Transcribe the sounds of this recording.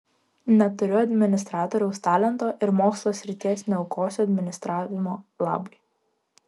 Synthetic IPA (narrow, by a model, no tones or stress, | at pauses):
nʲɛt̪ʊɾʲʊɐd̪ʲmʲɪnʲɪst̪ɾɑːt̪ɔːɾʲɛʊst̪ɑːlʲɛnt̪oːʔɪɾmoːkslˠoːsʲɾʲɪt̪ʲiɛsnʲɛʊkoːsʲɐd̪ʲmʲɪnʲɪst̪ɾɑːʋʲɪmoːlˠɑ̰ːbʊɪ